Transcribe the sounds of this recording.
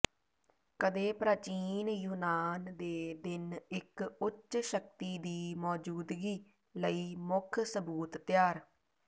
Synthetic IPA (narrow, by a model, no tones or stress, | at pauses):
kəd̪eːpɾaːt͡ʃiːnjuːnaːnd̪eːd̪ɪnɪkʊtːʃʃək̚t̪iːd̪iːmɔːd͡ʒuːd̪ɡiː | ləiːmʊkʰsəbuːt̪ːɪjaːɾ